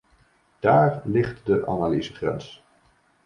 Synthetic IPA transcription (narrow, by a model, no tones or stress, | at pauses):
d̥aːɹlɪχtdəʔa̰naliːzəχrɛ̰ns